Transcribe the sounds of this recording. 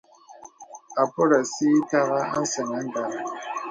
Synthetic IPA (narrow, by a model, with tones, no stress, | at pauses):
a˨pɔ˦ɾa˨siː˦ta˦ɣa˦a̰˦n˦sə˨ŋa˨˦n̩˦da˨